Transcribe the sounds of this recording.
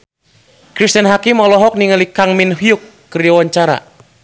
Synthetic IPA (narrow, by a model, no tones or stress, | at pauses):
kɾist̪ənɦakimɔlɔɦɔk̚niŋəlikaŋminhiukːəriawaɲt͡ʃaɾa̰